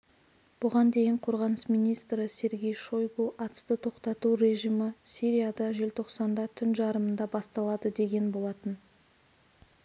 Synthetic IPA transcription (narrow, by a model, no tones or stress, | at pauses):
b̥ʊʁɑnd̪e̞jɪɴqʰo̞ɾʁɑnəsmijnijst̪ɾəsʲe̞ɾɡʲe̞jʃo̞jɡuʔɑt̪ə̥st̪ət̪ʰo̞qt̪ɑt̪uɾe̞ʒijməsʲiɾʲijad̪ɑʒe̞lt̪ʰo̞qsɑnd̪ɑt̪ʰʏnʒɑɾəmənd̪ɑbɑst̪ɑlˠɑd̪əd̪e̞ɡʲe̞nbo̞lˠɑt̪ən